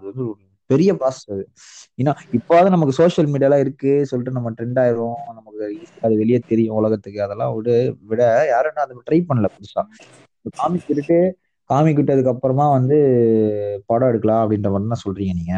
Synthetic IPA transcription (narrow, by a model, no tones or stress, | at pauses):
ɐðɯʋɐnd̪ɯɔɾɯ | pɛɾɪjɐpaːsɐ̥sðɯ | eːnːaːɪpːoɐðɯ̃nɐmɐkːɯsoːʂɐlmiːɽɪjaːlãːɪɾɯkːɯsɔlːɪʈːɯnɐmːɐʈɾɛɳɖaːjɪʋʊ̃nɐmɐkːɯiːsaːðɯʋɛɭɪjɐt̪ɛɾɪjʊ̃ʊlɐɣɐt̪ːɯkːɯɐðɛlːã̰ːɽɯʋɪɽɐjaːɾɛnːãːɐðɯʈɾɐɪppɐɳːɐlɐpʊðɪsã̰ː | ɐkaːmikːɪʈːɯʈːɯ | kaːmik̬ːɪʈːɯɐðɯkːɐpːɐɾɐmaːʋɐnd̪ɯ | paːɽõɛɽɯkːɐlãːɐpːɐɽɪnɾɐʋɐnd̪ɯnaːsɔlɾiːŋɡɐniːŋɡɐ